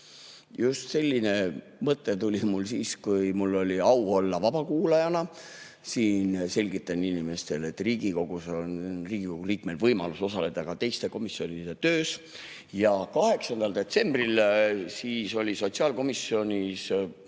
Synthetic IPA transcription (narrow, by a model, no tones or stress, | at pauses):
just̪se̞lʲːine̞ | mɤt̪ˑːe̞t̪ulʲimulsiːskujmulːo̞lʲiɑwo̞lːɑvɑb̥ɑkuːlɑjɑnɑ | siːnse̞lʲɡit̪ːˑɑninime̞st̪e̞le̞t̪ːˑriːɡiko̞ɡ̥usonriːɡ̥iko̞ɡ̥uliːkme̞lvɤjmɑ̰luso̞sɑle̞d̪̥ɑkɑt̪e̞jst̪e̞ko̞misːio̞nid̪̥e̞t̪øːs | jɑkɑhe̞ksɑnd̪ɑld̪e̞t̪se̞mb̥rilsiːso̞lʲiso̞t̪siɑːlko̞misːio̞nʲis